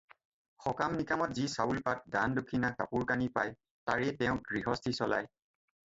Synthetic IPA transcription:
xɔkamnikamɔtzisaulpat̚dandokʰːinaka̰puɹkanipa̰j | taɹɛtɛʊ̃ɡɹiɦɔstʰisɔla̰j

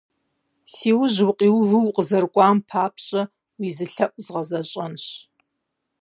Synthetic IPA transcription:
siːwʊʒwʊqʼiːwɣʷʊwqʼəzɐrkʷʼaːmpʰaːpʰɕʼɐ | wiːzɨɬɐʔʷʼzʁɐzɐɕʼɐnɕ

